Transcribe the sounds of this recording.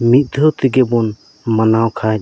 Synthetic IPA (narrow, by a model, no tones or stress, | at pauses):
mit̪̚d̪ʱɔt̪iɡɛbɔn | mənawkʰa